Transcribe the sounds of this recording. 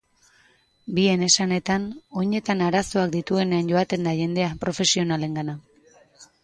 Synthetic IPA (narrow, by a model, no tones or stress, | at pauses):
bie̞ne̞sane̞t̪ano̞ɲe̞t̪anaɾaso̞akd̪it̪ue̞ne̞anɟo̞at̪e̞nd̪aʝe̞nd̪e̞apɾo̞fe̞sio̞nale̞ŋɡana